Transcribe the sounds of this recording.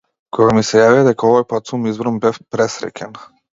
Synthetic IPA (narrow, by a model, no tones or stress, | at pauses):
kʰɔɡamisɛjaviad̪ɛkaɔvɔjpat̪sumizbɾɔmbɛfpɾɛsɾɛ̰cʲɛn